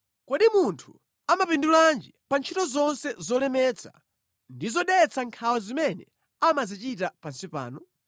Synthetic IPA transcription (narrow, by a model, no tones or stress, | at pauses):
kɔɗimuntʰu̥ | amapinduland͡ʒipant͡ʃʰitɔzɔnsɛzɔlɛmɛt͡sʰḁ̰ | ndizɔɗɛt͡sʰaŋkʰawazimɛnɛ | amazit͡ʃitapansipa̰ːnɔ